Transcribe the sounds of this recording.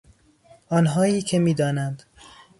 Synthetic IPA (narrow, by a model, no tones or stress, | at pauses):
ɒːnɦɒːjiːcʰemiːd̪ɒːnænd̪